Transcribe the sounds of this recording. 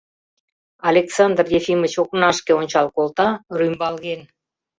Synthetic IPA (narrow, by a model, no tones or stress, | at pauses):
ɑlʲeksɑnd̪rjefimət͡ɕoknɑʃkeonʲt͡ɕɑlˠkolˠt̪ɑrymbɑlɣen